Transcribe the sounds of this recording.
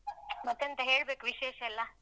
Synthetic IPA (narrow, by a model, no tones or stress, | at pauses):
mət̪end̪əɦeɽbekʋiɕeɕɛlːa